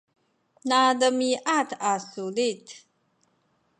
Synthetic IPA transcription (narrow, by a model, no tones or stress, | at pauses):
naːdɐmiːʔaːt̪ʰaːsuːleːtʰ